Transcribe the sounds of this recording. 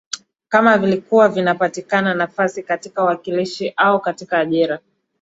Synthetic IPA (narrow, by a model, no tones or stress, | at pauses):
kamavilikuwavinapatikananafasikatikawakiliʃiʔaukatikaːʄiɾa